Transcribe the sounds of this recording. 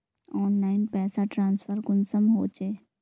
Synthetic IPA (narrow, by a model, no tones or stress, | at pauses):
ɔːnlaːɪnpɛːsaʈɾãːnsfəɾɡʊnsəmɦoːt͡ʃeː